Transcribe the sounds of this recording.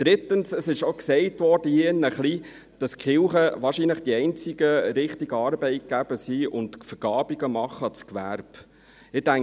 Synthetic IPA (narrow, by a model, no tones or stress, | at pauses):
d̥ɾɪt̪ːənsəsɪʃoksɛɪtʋɔːɾd̥əjinəχli | d̥ɑskχɪlχəʋɑːʃinləχd̥iɛɪnt͡sɪɡəɾɪχtiɡɑːɾbɛɪt̚ɡ̥æb̥əsiʊntfəɡ̥ɑːbiɡəmɑχːət͡skʋæ̰ɾb | ɪdæŋ